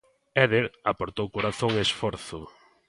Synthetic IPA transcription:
ɛðeɾapoɾt̪owkoɾaθoŋesfɔɾθʊ

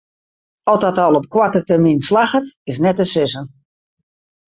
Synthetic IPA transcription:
ɔlˠtdɔtɔlˠɔp̚kwatətərminslaxətɪsnɛtəsɪsən

